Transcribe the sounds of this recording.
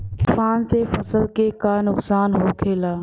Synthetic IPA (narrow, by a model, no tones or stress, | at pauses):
kɪfaːnsefɐsəlkekanʊksaːnɦoːkʰeːlaː